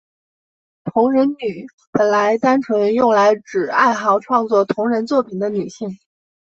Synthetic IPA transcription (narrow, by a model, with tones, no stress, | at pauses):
t̪ʰʊ˧˥ŋɻə˧˥nny˨˩˦ | pə˨˩nla˧˥ɪt̪a˥nʈ͡ʂʰɤ˧˥ŋjʊ˥˩ŋla˧˥ɪʈ͡ʂɻ̩˨˩a˥˧ɪxɑ˧˥ʊʈ͡ʂʰwɑ˥˧ŋt͡swɔ˥˩t̪ʰʊ˧˥ŋɻə˧˥nt͡swɔ˥˩pʰi˨˩nd̪ə˦ny˨˩ɕi˥˩ŋ